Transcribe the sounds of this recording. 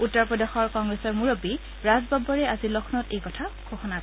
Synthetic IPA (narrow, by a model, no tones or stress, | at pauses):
utːɔɹpɹɔdexɔɹkɔŋɡɹesɔɹmuɹobi | ɹazbabɔɹɛazilɔkʰnɔtejkɔtʰaɡ̥oxɔnak